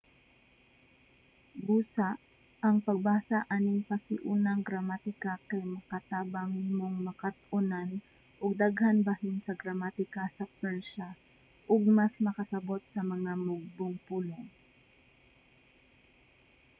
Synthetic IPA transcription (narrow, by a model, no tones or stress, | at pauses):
buːsaʔ | ʔɐŋpɐɡ̚baːsaʔaːnɪŋpɐsɪʔuːnɐŋɡɾɐmat̪ɪkakɐjmɐkɐt̪aːbaŋnɪmoŋmɐkat̪̚ʊnan | ʔʊɡ̚d̪aɡhanbɐhɪnsɐɡɾɐmat̪ɪkasɐpɛɹʃa | ʔʊɡ̚masmɐkɐsɐbo̞t̪̚sɐmɐŋamʊɡ̚bʊŋpuːloŋ